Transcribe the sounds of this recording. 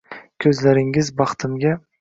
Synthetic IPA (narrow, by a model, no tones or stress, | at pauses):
kʲʰɵzlaɾɪŋɪzbɑχt̪ʰɪmɡʲa